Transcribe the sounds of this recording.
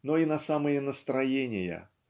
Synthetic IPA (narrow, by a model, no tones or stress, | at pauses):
nɔinɐsamɐjɛnəst̪ɾajenʲɪjɐ̰